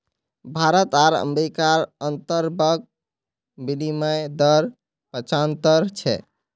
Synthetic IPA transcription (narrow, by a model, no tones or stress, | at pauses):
bʱaɾət̪aɾə̰mɾikaɾənt̪əɾbəɡ̚ | biliməjd̪əɾ | pət͡ʃant̪əɾt͡ʃʰɛ̰